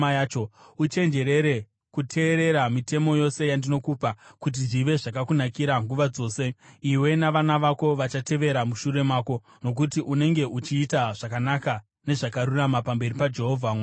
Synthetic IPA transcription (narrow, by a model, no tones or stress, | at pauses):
ajat͡ʃout͡ʃe̞nd͡ʒe̞ɾe̞ɾe̞ | kutʰe̞ːɾe̞ɾamite̞mo̞jo̞se̞jandino̞kuːpakut̬iʐiʋe̞ʐakakunakiɾaŋɡuʋad͡zo̞ːse̞iwe̞naʋanaʋako̞ʋat͡ʃate̞ʋe̞ɾamuʃuɾe̞maːko̞ | no̞k̬utiʔune̞ŋɡe̞ʔut͡ʃiːtaʐ̥akanaka | ne̞ʐakaɾuramapambe̞ɾipad͡ʒe̞ɦo̞vʱam